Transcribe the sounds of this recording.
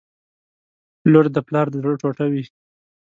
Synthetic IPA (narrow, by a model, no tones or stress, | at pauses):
loɾd̪əplɑɾd̪əd̪ɽoʈoʈawi